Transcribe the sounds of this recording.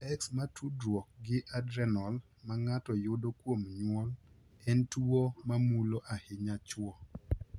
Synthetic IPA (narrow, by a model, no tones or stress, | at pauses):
ɛksmatʰudɾwɔk̚ɡɪʔadɾɛnɔl | maŋatɔjʊdokwomɲwɔl | ɛntuomamuloʔahɪɲat͡ʃwɔ